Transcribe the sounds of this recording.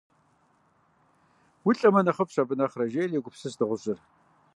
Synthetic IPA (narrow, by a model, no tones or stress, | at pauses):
wʊɬʼɐmɐnɐχɐpɕɐbɨnɐχrɐʒeːleːɡʷʊpsɨsdɨʁʷʊɕʼɪr